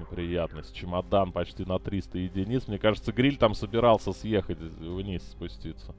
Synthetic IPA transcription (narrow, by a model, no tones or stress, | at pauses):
ɪpɾʲɪjat̪nəsʲt̚ʲt͡ɕɪmɐd̪anpɐt͡ɕtʲinɐt̪ɾʲist̪əjɪdʲɪnʲit̪smnʲe̞kaʐɨt̪səɡɾʲilʲt̪amsəbʲɪɾɑlˠsʲəsjexətʲvnʲisʲspʊsʲtʲit̪sə